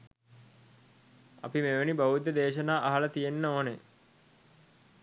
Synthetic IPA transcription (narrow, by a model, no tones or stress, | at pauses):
ɐ̰pimeʋənibɐɦud̪əd̪eːʃənaːʔaɦɐlət̪ijenːəoːne